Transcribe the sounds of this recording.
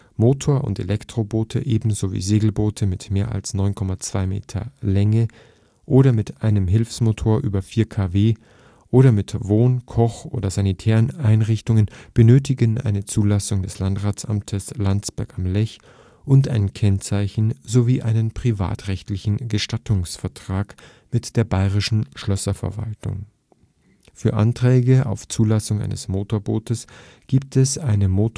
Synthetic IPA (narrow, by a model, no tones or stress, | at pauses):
moːtʰoːɐʔʊ̰ntḛlʔɛktʁ̥oboːtʰəʔeːbm̩zovḭːzeːɡl̩boːtʰəmɪtmeːɐʔa̰lsnɔʏnkʰɔmat͡sv̥aɪmḛːtʰɐ̰lɛŋə | ʔoːɾɐmɪtʔaɪnəmɦɪlfsmotʰoːɐʔyːbɐfiːɐkʰaːveː | ʔoːɾɐmɪtvoːnkʰɔχʔo̰ːdɐzanitʰɛːʁənʔaɪnʁɪçtʊŋənb̥ənøːt̬ɪɡənʔa̰ɪnət͡suːlasʊŋdɛslantʁaːt͡sʔa̰mtʰəslant͡sb̥ɛɐkamlɛç | ʔʊntʔaɪnkʰɛnt͡saɪçn̩zoviːʔaɪnənpʁ̥iva̰ːtʁɛçtlɪçn̩ɡəʃtatʰʊŋsfɛɐtʁ̥aːk | mɪtd̥eːɐbaɪʁɪʃn̩ʃlœsɐfɛ̰ɐva̰ltʊ̰ŋ | fyːɐʔa̰ntʁ̥ɛːɡəʔa̰ʊft͡suːlasʊŋʔa̰ɪnəsmoːtoːɐboːtəs | ɡ̥iːp̚tɛsaɪnəmoːt